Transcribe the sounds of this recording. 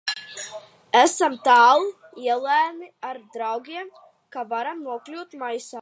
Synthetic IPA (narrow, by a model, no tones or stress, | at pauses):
æsamt̪aːlˠi | iɛlˠæːmiaɾd̪ɾawɡʲiɛm | kavaɾamnuɔklʲuːt̪majsaː